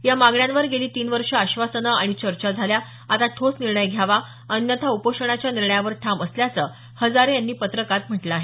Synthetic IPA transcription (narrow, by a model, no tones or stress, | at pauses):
jamaɡɳjãnʋəɾɡeliːt̪iːnʋəɾʂəaɕʋasənəaɽ̃it͡ɕəɾt͡ɕad͡zʱalja | at̪at̪ʰosniɾɳəjɡʱjaʋa | ənjət̪ʰaupoʂəɳ̃at͡ɕjaniɾɳəjaʋəɾʈʰaməsljat͡səː | həd͡zaɾejanːiːpət̪ɾəkat̪m̤əʈləaːɦe